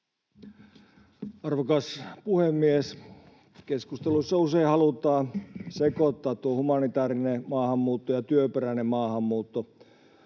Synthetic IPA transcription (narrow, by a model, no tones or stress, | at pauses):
ɑrʋokɑspuhemːies | keskust̪elusːɑuseihɑlut̪ːˑɑːsekot̪ːɑːt̪tuohumɑnit̪æːrinemɑːhɑmːuːt̪ːojɑt̪yøperænemmɑːhɑmːuːt̪ːo